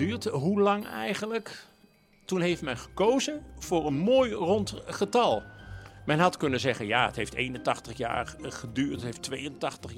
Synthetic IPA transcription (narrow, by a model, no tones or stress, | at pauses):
yːɹtɦulɑŋɛ̰jχənlək | tunɦejftmɛnχə̥kowzənv̥ʊːɹənmoːjrɔntχətɑlˠmɛnɦɑtkɵnənzɛχənjaːətɦejftejnəntɑχtəχja̰ːɹχədyːɹtətɦejftʋejəntɑχtəχ